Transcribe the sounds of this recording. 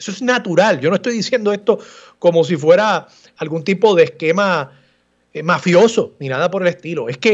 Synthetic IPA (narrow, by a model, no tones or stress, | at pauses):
esoesnat̪uɾald͡ʒo̞noest̪ojðisje̞nd̪o̞est̪o̞ | ko̞mo̞s̬ifwe̞ɾaː | lɡunt̪ipo̞ðe̞ːske̞ma | emafjo̞so̞minaðapo̞ɾe̞le̞st̪ilo̞e̞ske̞